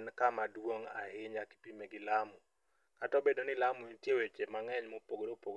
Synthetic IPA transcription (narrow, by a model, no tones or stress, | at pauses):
nkamadwoŋa̰hɪɲaki̥pimeɡɪlamʊ | katɔbedonɪlamʊintjewet͡ʃemaŋɛɲmopoɡodopoɡ